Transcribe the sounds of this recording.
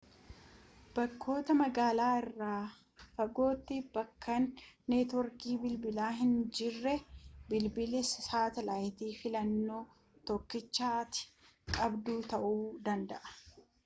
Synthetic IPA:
b̥ɐkʰːo̞ːt̪ɐmɐɡaːlaːɪrːaː | fɐɡo̞ːt̪ːɪb̥ɐkʰːɐnːeːt̪ɔɾkiːbɪlbɪlaːɦɪnd͡ʒɪrːɛbɪlbɪlɛssaːt̪ɛlaːjt̪iːfɪlɐnːo̞ː | t̪ɔkːɪt͡ʃːaːt̪ɪ̥kʼɐbd̪uːt̪ɐʔuːd̪ɐnd̪ɐʔɐ̥

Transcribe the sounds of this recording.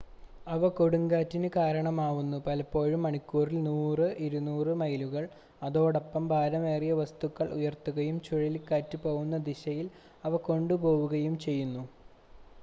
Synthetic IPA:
ɐʋɐkoɽuŋɡaːtːinɨkaːɾɐɳɐmaːʋunːupɐlɐpːo̞ːɻumːɐɳikʲːuːrilnuːrɨʔiɾunuːrɨmɐjluɣɐɭ | ɐðo̞ːɽɐpːɐmbʱaːɾɐmeːrijɐʋɐst̪ukːɐɭʔṵjɐrt̪ːuɣɐjumt͡ɕuɻilkaːtːɨpoːɣunːɐd̪iɕɐjil | ɐʋɐko̞ɳɖupo̞ːwuɣɐjumt͡ɕe̞jːunːu

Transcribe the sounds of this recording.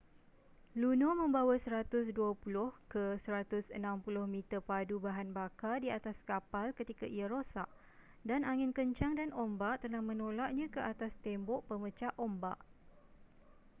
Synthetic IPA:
lunõmə̃mbawasəɾat̪ʊsduapulʊhkəsəɾat̪ʊsənãmpulʊhmĩt̪ərpadubaɦanbakadiat̪askapalkət̪ikaʔiaɾosa̰ʔ | danaŋɪ̃nkəɲt͡ʃaŋdanombaʔt̪əlahmə̃nolaʔ̚ɲãkəat̪ast̪ɛmbɔʔpəmə̃t͡ʃaʔomba̰ʔ

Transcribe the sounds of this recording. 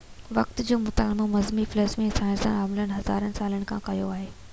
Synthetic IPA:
ʋɐkt̪d͡ʑoːmʊt̪aːlɪmomɐzmiflesmẽsaːɪ̃nsə̰naːmlənɪ̆ɦɐza̰ːɾənɪ̆saːləɽ̃ɪ̆kʰã̰ːkɐjo̰aːɦeː

